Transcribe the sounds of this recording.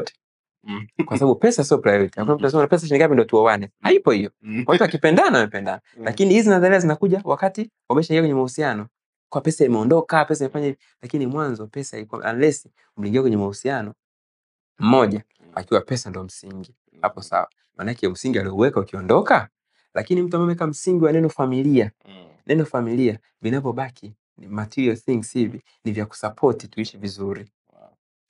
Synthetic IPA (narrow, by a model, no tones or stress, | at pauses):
tɛ̥ | kwasaɓaɓupɛsas̬iɔpɾajɔɾitihakunam̩tunas̬ɛmanapɛs̬aʃ̬iniŋɡapindiɔtuɔwanɛhaipɔhijɔwamtuakipɛndanawamɛpɛndanalakinihizinazaliazinakuʄawakati | wamɛʃaiŋɡiakwɛɲɛmahusianɔ | kwapɛsaimɛɔndɔkapɛsaimɛfaɲai | lakinimwanzɔpɛsaika̰ʔa̰lɛsi | um̩liːŋɡiakwɛɲɛmahusianɔ | m̩mɔʄa | akiwapɛsandɔm̩siŋɡi | ha̰pɔsa̰wa | manakɛm̩siŋɡialiɔuwɛkaukiɔndɔka | lʔakinim̩tamɛwɛkam̩siŋɡiwanɛnɔfamilia | nʔɛnɔfamilia | vinavɔɓakʰi | matiɾiɔθiŋɡshivi | nivjaku̥sapʰɔtituiʃɛvizuɾi